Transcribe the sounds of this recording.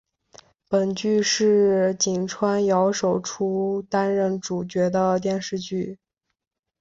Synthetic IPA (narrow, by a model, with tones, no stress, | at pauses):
pə˨˩nt͡ɕy˥˧ʂɻ̩˥˩t͡ɕi˨˩nʈ͡ʂʰwa˥njɑ˧˥ʊʂo˨˩ʊʈ͡ʂʰu˥t̪a˥nɻə˥˩nʈ͡ʂu˨˩t͡ɕɥɛ˧˥d̪ə˧t̪̬jɛ˥˧nʂɻ̩˥˧t͡ɕy˥˩